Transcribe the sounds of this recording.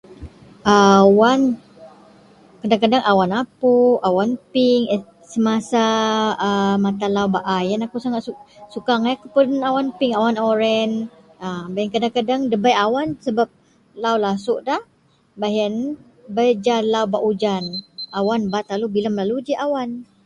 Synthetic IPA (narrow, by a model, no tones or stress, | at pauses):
ʔawan | kədaŋkadaŋʔawanapuawanpiŋ | səmasaəmat̪alawbaʔajanakusaŋaʔ̪usukaŋajakupunawanpɪŋawanoɾɛn | abajɛŋkadaŋkadaŋdəbajawansəbap̚ | lawlasʊʔdah | baɦən | bəjd͡ʒalawbaʔud͡ʒanawanbat̪alubilamlalud͡ʒiʔawan